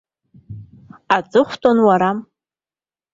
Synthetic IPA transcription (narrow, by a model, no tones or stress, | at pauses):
at͡sʼɨχʷtʼonwaɾam